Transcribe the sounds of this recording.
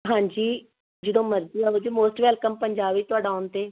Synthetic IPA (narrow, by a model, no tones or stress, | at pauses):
ɦãːɲd͡ʒiː | d͡ʒəd̪õːməɾziːaːɦoːd͡ʒiːmoːsʈʋɛːlkəmpəɲd͡ʒaːbit̪ʊaːɖaːʊnt̪eː